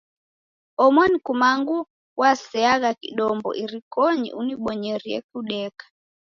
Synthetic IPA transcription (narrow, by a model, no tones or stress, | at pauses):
ɔmɔnikumaŋɡu | wasɛaɣakḭɗɔmbɔ̰ʔiɾikɔɲḭʔuniɓɔɲɛɾiɛ̰k̚uɗɛkḁ